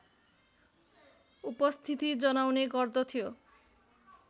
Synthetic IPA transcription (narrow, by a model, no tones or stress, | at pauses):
upʌst̪ʰit̪id͡zʌnawneɡʌrd̪ʌt̪ʰijo